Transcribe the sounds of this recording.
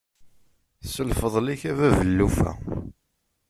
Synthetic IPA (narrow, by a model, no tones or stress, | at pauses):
θsəlfəðˤliçævævəlːufæ̰